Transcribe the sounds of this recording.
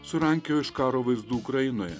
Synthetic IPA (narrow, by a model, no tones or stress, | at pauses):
sʊɾɐŋʲkʲjoːɪʃkɑːɾoːʋɐɪzd̪uːkɾɐjɪnoːjɛ̰